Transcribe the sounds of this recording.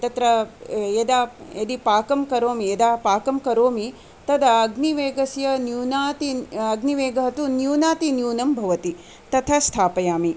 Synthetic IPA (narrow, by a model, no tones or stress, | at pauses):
t̪ɐt̪ɾɐjed̪aːjɐd̪ipaːkɐmkɐɾoːmied̪aːpaːkɐmkɐɾoːmi | t̪ɐd̪ɐɐɡniʋeːɡɐsjɐnjuːnaːt̪iɐɡniʋeːɡɐɦɐt̪unjuːnaːt̪injuːnɐmbʱɐʋɐt̪i | t̪ɐt̪ʰɐst̪ʰaːpɐjaːmi